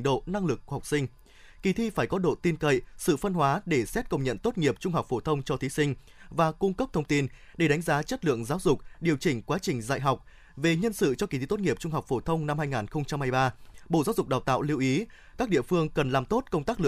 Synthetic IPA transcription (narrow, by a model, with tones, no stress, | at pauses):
ɗo̰˧˨na˧ŋlɨ˨˩k̚ːu˧˩˨ha˨˩k͡p̚sï˧ŋ̟ | ki˨˩t̪ʰi˧faː˧˩jkɔ˨˦ɗo̰˧˨t̪i˧nkə̰˧˨jsɨ̰˧˨fə˧nɦwaː˨˦ɗe˧˩sɛ˦˥t̚kə˧wŋ͡mɲə̰˧˨nt̪o˦˥t̚ŋi˨˩əp̚t͡ɕʊ˧ŋ͡mɦa˨˩k͡p̚fo˧˩t̪ʰə˧wŋ͡mt͡ɕɔ˧t̪ʰi˨˦sï˧ŋ̟ | vaː˨˩kʊ˧ŋ͡mkə˦˥p̚t̪ʰə˧wŋ͡mt̪i˧n | ɗe˧˩ɗa˨˦ŋzaː˨˦t͡ɕə˦˥t̚lɨ̰˧˨əŋzaː˨˦wzʊ˨˩k͡p̚ɗi˨˩əwt͡ɕï˨˩ŋ̟kwaː˨˦t͡ɕï˨˩ŋ̟za̰ː˧˨jɦa˨˩wk͡p̚ | ve˨˩ɲə˧nsɨ̰˧˨t͡ɕɔ˧ki˨˩t̪ʰi˧t̪o˦˥ŋi˨˩əp̚t͡ɕʊ˧ŋ͡mɦa˨˩wk͡p̚fo˧˩t̪ʰə˧wŋ͡mna˧mhaː˧jŋaː˨˩nxə˧wŋ͡mt͡ɕa˧mhaː˧jɓaː˧ɓo̰˧˨zaː˨˦wzʊ˨˩k͡p̚ɗaː˨˩wt̪a̰ː˧˨wli˧wʔi˨˦ | kaː˦˥k̚ɗḭ˧˨əfɨ˧əŋkə˨˩nlaː˨˩mt̪o˦˥t̚kə˧ŋ͡mt̪aː˦˥k̚lɨ˧˨